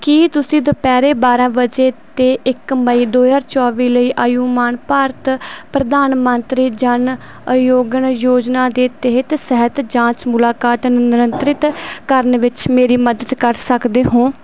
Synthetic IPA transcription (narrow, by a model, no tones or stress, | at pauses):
kiːt̪ʊsĩːd̪opɛːɾeːbaːɾãːʋəd͡ʒeːt̪eːʔɪkːəmaiːd̪oːjaːɾt͡ʃɔːʋiːləiːʔaːjuːmaːnpaːɾt̪pɾəd̪aːnmənt̪ɾiːd͡ʒən | joːɡənjoːd͡ʒnaːd̪eːt̪əɦɪt̪sɛɦət̪d͡ʒãːt͡ʃmʊlaːkaːt̪nɪɾənt̪ɾɪt̪kəɾnʋɪt͡ʃmeːɾiːməd̪əd̪kəɾsəkd̪eːɦõː